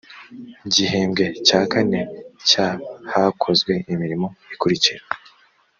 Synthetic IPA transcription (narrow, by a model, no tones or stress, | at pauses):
ɟiheːmɡe̞caːkane̞cahakʰo̞zɡwe̞ʔimiɾimo̞ikuɾiciɾa